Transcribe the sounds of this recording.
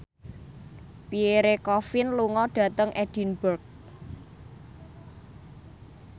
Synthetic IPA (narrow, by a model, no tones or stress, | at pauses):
pieɾekɔfɪnluŋɔɖ̥ä̤t̪əŋʔɛd̥i̤nbərk̚